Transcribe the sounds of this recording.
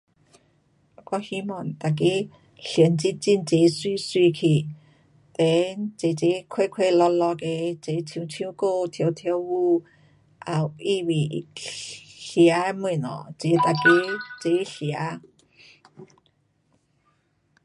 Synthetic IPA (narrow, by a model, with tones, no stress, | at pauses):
kɔ˧hi˧˦mɔ˨˩nt̪a˨˩k̬e˧˦ | ɬjə˨˧˦nt͡si˧nt͡si˧˨nt͡se˨˧˦swi˧˨swi˧kʰi˧˩˨ | t̪e˨˦t͡se˨˦t͡se˧˦kʰwe˥˧˨kʰwe˥˧lɔ˧lɔ˧ke˧t͡se˨˧˦tʰi˧˦t͡sʰĩ˧˦ko˧˨t̪ʰjo˧˦t̪ʰje˧˦wwu˧ | ʔa˨˩wi˥˧˨wi˨˧ | ɬji˧a˧˦mi˧˩˨nɔ̰˨t͡se˨˦t̪a˧˨ke˧˦t͡se˧˦ɬja˧˦